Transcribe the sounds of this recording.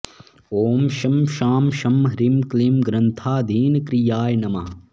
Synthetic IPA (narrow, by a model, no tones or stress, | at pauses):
oːmʃɐmʃaːmʃɐmɾimklimɡɾɐnt̪ʰaːd̪ʱiːnkɾijaːjnɐmaː